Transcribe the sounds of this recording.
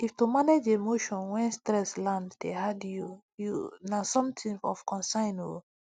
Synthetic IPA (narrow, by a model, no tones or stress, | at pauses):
iftumaned͡ʒemoʃɔ̃nwɛ̃nstɹɛslãnddehadju | junasɔ̃mtʰĩɔ̰fkʰɔ̃nsãɪ̃no̰